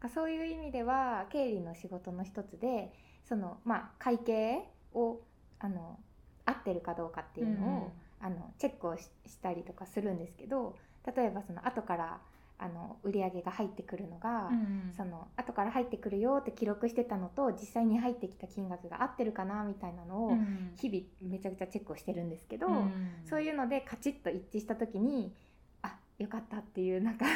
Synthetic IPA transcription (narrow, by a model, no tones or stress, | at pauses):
nakaso̞ːjɯ̟ːimʲid̪e̞β̞ake̞ːɾʲino̞ɕiɡo̞t̪o̞no̞çi̥t̪o̞t͡sɨd̪e̞ | so̞no̞makʰaike̞ːo̞ | ano̞ | at̪ːe̞ɾɯ̟kad̪o̞ːkat̪ːe̞jɯ̟no̞oano̞̰t͡ɕe̞kːɯ̟oɕɕi̥t̪aɾʲit̪o̞kasɨɾɯ̟̃nd̪e̞sɨ̥ke̞d̪o̞ | t̪at̪o̞e̞baso̞no̞̰ʔat̪o̞kaɾa̰ | a̰no̞̰ɯ̟ɾʲiaɡe̞ɡahait̪ːe̞kɯ̟ɾɯ̟no̞ɡaso̞no̞at̪o̞kaɾaɦait̪ːe̞kɯ̟ɾɯ̟jo̞ːt̪ːe̞kʲiɾo̞kɯ̟ɕi̥t̪e̞t̪ano̞t̪o̞d͡ʑisːaiɲ̟iɦait̪ːe̞kʲi̥t̪akʲĩŋɡakɯ̟ɡa̰ʔat̪ːe̞ɾɯ̟kanamʲit̪ainano̞ːçibʲime̞t͡ɕakɯ̟t͡ɕat͡ɕe̞kːɯo̞ɕi̥t̪e̞ɾɯ̟̃nd̪e̞sɨ̥ke̞d̪o̞so̞ːjɯ̟ːno̞d̪e̞kat͡ɕit̪ːo̞it͡ɕːiɕi̥t̪at̪o̞kʲiɲ̟i | a | jo̞kat̪ːat̪ːe̞jɯ̟ːnaŋka